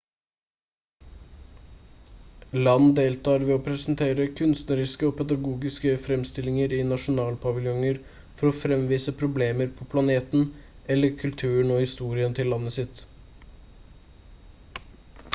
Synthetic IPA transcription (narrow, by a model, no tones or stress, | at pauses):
lɑnd̪eːlt̪ʰɑːɾʋɛːoːpʰɾɛsn̩t̪ʰeːɾəkʰʉnst̪nəɾɪskəoːpʰɛd̪ɑɡuːɡɪskəfɾɛmst̪ɪlɪŋəɾiːnɑʂʊnɑːlpʰɑʋɪljɔŋəɾ | fɔɾɔːfɾɛmʋiːsəpʰɾʊbleːməɾpʰɔpʰlɑneːt̪n̩ | ɛlːəɾkʰʉlt̪ʰʉːəɳ̩ɔhɪst̪uːɾɪənt̪ʰɪlːɑnːəsɪt̪